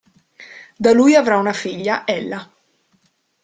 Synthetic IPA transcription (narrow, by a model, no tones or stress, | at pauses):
d̪alujavɾaunafiʎːaʔɛlːa